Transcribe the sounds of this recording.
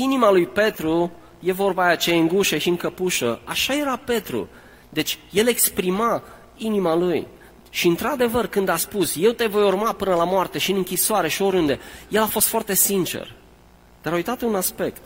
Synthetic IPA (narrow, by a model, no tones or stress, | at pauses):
inimalujpe̞t̪ɾu | je̞vo̞rbaːjat͡ʃejeɨŋɡuʃeʃiɨŋkəpuʃəaʃaje̞ɾape̞t̪ɾṵ | d̪e̞t͡ʃʲje̞le̞kspɾima | inimaluj | ʃiɨnt̪ɾad̪e̞vərkɨnd̪aspusje̞wt̪e̞vo̞jurmapɨnəlamoart̪e̞ʃiɨnɨŋkʲisoaɾe̞ʃio̞ɾʲund̪e̞je̞lafo̞st̪foart̪e̞sint͡ʃḛr | d̪̥aɾaujt̪at̪unaspe̞kt̪